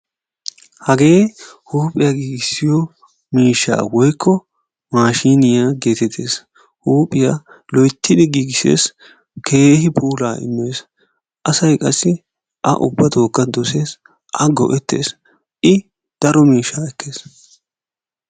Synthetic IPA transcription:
hɐɡe̞ːhuːpʼɪjaɡiːɡɪsːɪjɔ | miːʃːa̰ːwɔjkːɔ | maːʃiːnɪjaːɡe̞ːt̪ɛt̪ʰːe̞̰ːs | huːpʼɪja | lɔjt̪ːɪd̪ɪɡiːɡɪsḛːs | kʰeːhɪpʰuːlaːɪ̰mːeːs | ʔɐsɐjkʼɐsːɪ | ʔɐ̰ʔʊ̰bːɐt̪o̞ːkːɐd̪ɔse̞ːs | ʔɐɡɔ̰ʔɛt̪ːe̞̰ːs | ʔɪ | d̪̥ɐɾɔmiːʃːaːɛkːe̞ːs

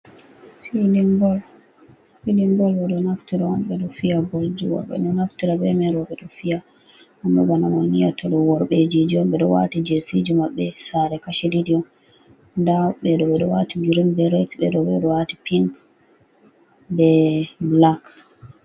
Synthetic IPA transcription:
fidiɡɔl | filiŋɡɔlbɛɗɔnaftiɾaɔmɓɛɗɔfijabold͡ʒiwɔ̰ɾɓɛ̰ɗɔnaftiɾaɓɛmɛɾɔɓɛɗɔfija | amːɛ̰bananonijatʰɔɗɔwɔɾɓed͡ʒid͡ʒiɔmɓɛɗɔwa̰tid͡ʒesid͡ʒimaɓːɛsaɾɛkaʃididiɔ | ndaɓɛɗɔɓɛɗɔwatiɡiɾinbɛɾɛtɓɛɗɔbɛɗɔwati̥piŋk | bɛblak

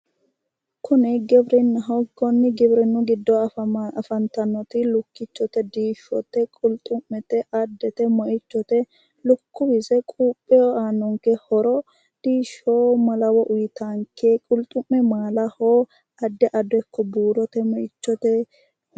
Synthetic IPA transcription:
kʰʊnɛɡɛbɾɛnːɐɦɔɡɔnːɪɡɛbɾɛnːʊɡɪd̪ːɔɐfɐnt̪ɐnːɔt̪ɪlʊkːɪt͡ʃːɔt̪ɛd̪iːʃɔt̪ːɛkʼʊlt̪ʼʊmːɛt̪ɛʔɐd̪ːɛt̪ɛmɔʔɪt͡ʃːɔt̪ɛ | lʊkːʊbɪsɛkʼuːpʼːɛoaːnːɔŋkɛhɔɾɔ | d̪̥iːʃoːmɐlɐwɔʔʊjɪt̪aŋkʰeːkʼʊlt̪ʼʊmːɛmaːlɐhoː | ɐd̪ːɛʔɐd̪ɔkːɔbuːɾɔt̪ɛmɔʔɪt͡ʃːɔt̪ɛ

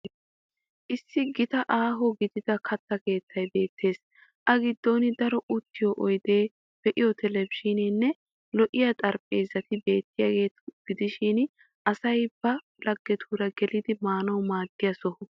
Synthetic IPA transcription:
ʔɪsːɪɡɪt̪ɐʔaːɦɔɡɪd̪ɪd̪ɐkʰɐt̪ːɐke̞ːt̪ːɐjbe̞ːt̪ːe̞ːs | ʔɐɡɪd̪ːoːnɪd̪ɐɾɔʔʊt̪ːɪjɔʔɔjd̪e̞ː | b̥ɛʔɪjɔt̪ʰɛlɛbʃiːnɪnːɛ | lɔʔɪjɐt̪ʼɐɾpʼeːzːɐt̪ɪbe̞ːt̪ːɪjaɡe̞ːt̪ɡ̥ɪd̪ɪʃɪn | ʔɐsɐjb̥ɐ | lɐɡːɛt̪ʰuːɾɐɡɛlɪd̪ɪmaːnɐwmaːɡːɪjɐsɔhɔ

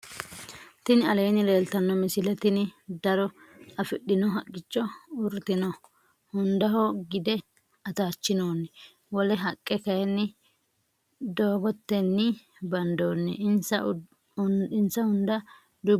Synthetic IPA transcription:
t̪ɪnɐlejnɪleːlt̪ɐnːɔmɪsɪlɛt̪ɪnɪd̪ɐɾɔɐfɪɗːɪnɔɦɐkʼːɪt͡ʃːɔʊɾt̪ɪnɔ | hʊnd̪ɐɦɔɡɪd̪ɛ | ɐt̪aːt͡ʃːɪnoːn | wɔlɛɦɐkʼːɛkɐjɛnːɪ | d̪oːɡɔt̪ːɛnːɪ | bɐnd̪oːnːɛɪnsɐ | ɪnsɐhʊnd̪ɐ | d̪ʊ

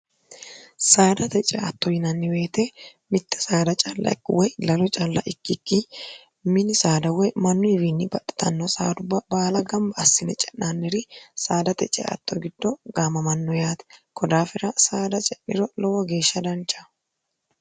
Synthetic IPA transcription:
saːd̪ɐt̪ɛt͡ʃʼɛɐt̪ːɔjɪnɐnːɪwe̞ːt̪ɛmɪt̪ːɛ̥saːd̪ɐt͡ʃʼalːʔɐ̰ɪkːwɔjlɐlɔt͡ʃʼalːɐ̰ʔɪkːɪkːɪ | mɪnɪsaːd̪ɐwɔjmɐnːʊɪbiːnːɪbɐɗɛ̥t̪ɐnːɔsa̰ːd̪ʊbːɐbaːlɐɡɐmbɐːsːɪnɛt͡ʃʼɛnːanːɛɾɪsaːd̪ɐt̪ɛt͡ʃʼɛ̰ʔɐ̰t̪ːɔɡɪd̪ːɔɡaːmɐmɐnːɔjaːt̪ɛ̥kɔd̪aːfɪɾɐsaːd̪ɐt͡ʃʼɛnːɪɾɔlɔwɐɡe̞ːʃːɐd̪ɐnt͡ʃːɐ̥

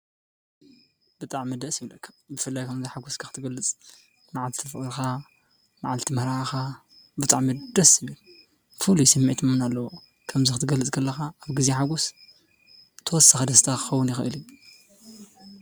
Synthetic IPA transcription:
b̥ɨt̪ʼaʕmːɨd̪ɐsjɪβlɐkbɨfɨlːajkʰɐmziħaɡuskʰɐxɨ̥t̪ʰɨɡɐlːɨt͡sʼ | maʕalt̪ʰi̥t̪ʰɐfɨɨɾxa | maʕalt̪ʰimɐɾaxa | bɨt̪ʼaʕmɨd̪ɐsɨβi | fɨlujsɐmːiʕt̪ʰɨmɨnalːɐwo | kʰɐmzɨxɨt̪ʰɨɡɐlɨt͡sʼkʰɐlːɐxaaβɡɨzeħaɡus | t̪ʰɐwɔsːaxad̪ɐst̪ʰakʰɨ̥xɐwʊnjɪxʔɨ̰li

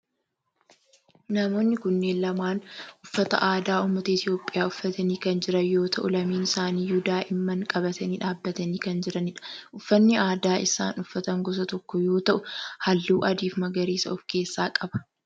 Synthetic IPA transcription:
nɐmo̞ːnːɪkʊnːe̞ːnlɐmaːnʊfːɐt̪ɐ̰ʔaːd̪aːʊmːɐt̪ɐɪt̪ɪjo̞ːpʼːɪjaːʊfːɐt̪ɐniːkɐnd͡ʒɪɾɐjo̞ːt̪ʰɐʔʊlɐmiːnɪsaːniːjud̪aːʔɪmːɐŋkʼɐbɐt̪ɐniːᶑaːbːɐt̪ɐniːkɐnd͡ʒɪɾɐnɪᶑɐ̥ʔʊfːɐnːɪaːd̪aːʔɪsa̰ːnʊfːɐt̪ɐŋɡɔs̬ɐt̪ɔkːɔjo̞ːt̪ɐʔʊhɐlːuːʔɐd̪iːfmɐɡɐɾiːsɐ̰ʊfke̞ːsːaːkʼɐbɐ̥

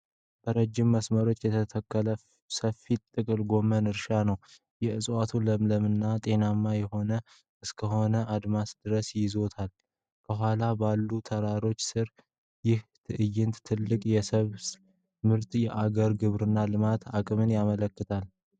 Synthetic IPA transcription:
b̥əɾəd͡ʒːɪmːəsməɾo̞t͡ʃːjɛt̪ʰət̪ʰəkːələ | səfːit̪ʼːɨkʼɨlɡo̞mənɨɾʃanəw | jɛɨsʼwat̪ʰuləmləmɨnːat̪ʼe̞namːajɛho̞nə | ɨskʰəɦo̞nəʔad̪masd̪̥ɨɾəsjɪzo̞t̪ʰal | kʰəɦʷalabalːut̪ʰəɾaɾo̞t͡ʃːsɨɾ | jɪht̪ʰɨʔɨjɪnt̪t̪ʰɨlːɨkʼjɛsəβ | mɨɾt̪jɛʔaɡəɾɡɨβɾɨnːalɨmat̪ʰakʼɨmɨnjamələkːɨt̪ʰal

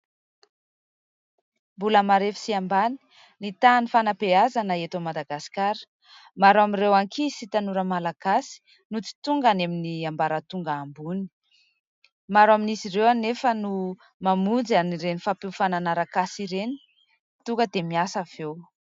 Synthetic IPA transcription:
mbuləmaɾefi̥siambani̥ | nit̪anifanapeazanəet̪omad̪aɡasi̥kaɾə̥ | maɾamirewaŋkʰisit̪anuɾəmalaɡ̥asi̥ | nut͡si̥t̪uŋɡaneminiambaɾət̪uŋɡaːmbuni̥ | maɾaminisirewanefənu | mamund͡zaniɾenifapeufananaɾakasiɾeni̥ | t̪uŋkɡəd̪emiasav̥ew

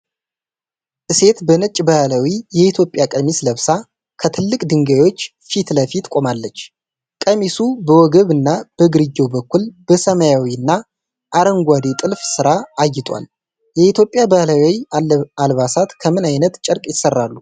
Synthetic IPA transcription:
ʔɨse̞t̪bənət͡ʃʼbəhləwijɛit̪ʰjo̞pʼjakʼəmisləβsa | kʰət̪ʰɨlːɨkʼd̪ɨŋɡawo̞t͡ʃː | fit̪ləfit̪kʼo̞malːət͡ʃː | kʼəmisubəwɔɡəβɨnːab̥əɡɨɾɨɡːewbəkːulb̥əsəmajawiɨnːa | ʔaɾəŋɡʷad̪et̪ʼɨlfsɨɾaːjːɪt̪ʼwa̰l | jɛit̪ʰjo̞pʼːjabəhlawwialβasat̪kʰəmɨnajnət̪t͡ʃʼəɾkʼjɪsərːalːu

